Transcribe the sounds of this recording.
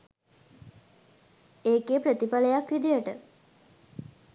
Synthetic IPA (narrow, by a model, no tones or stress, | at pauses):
eːkeːpɾət̪ipaləjakʋid̪ijəʈə̰